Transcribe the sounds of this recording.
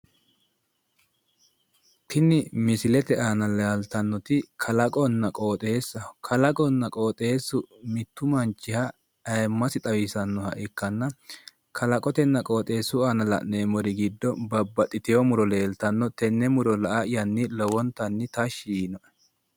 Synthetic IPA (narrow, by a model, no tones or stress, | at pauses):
t̪ɪnɪmɪsɪlɛt̪ɛʔaːnɐlɐɐlt̪ɐnːɔt̪ɪkʰɐlɐkʼɔnːɐkʼoːt̪ʼeːsːɐkʰɐlɐkʼɔnːɐkʼoːt̪ʼeːsːʊmɪt̪ːʊmɐnt͡ʃːɪhɐ | ɐjmːɐsɪt̪ʼɐwɪsɐnːɔhɐʔɪkːɐnːɐ | kʰɐlɐkʼɔt̪ɛnːɐkʼoːt̪ʼe̞ːsːʊaːnɐlɐ̰ʔneːmɔɾɪɡɪd̪ːɔbɐbːɐt̪ʼːɪt̪ɛjɔmʊɾɔle̞ːlt̪ɐnːɔt̪ɛnːɛmʊɾɔlɐʔɐʔɪjɐnːɪlɔwɔnt̪ɐnːɪt̪ɐʃiːnɔʔ